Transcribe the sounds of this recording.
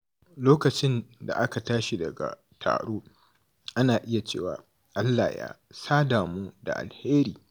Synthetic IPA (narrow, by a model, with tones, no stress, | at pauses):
loː˦kɐ˨t͡ʃɪ˦nda̰˨ʔa˦ka˨taː˦ʃi˦˨dɐ˨ɡa̰˨ | tʰa̰ː˨ɽoː˦ | ʔa˦naː˨ʔɪ˦ja˨t͡ʃḛː˦˨waː˨ | ʔa˦lːaː˨ja̰ː˦saː˦daː˨moː˦da̰˨ʔa̰˨lheː˦ɾiː˨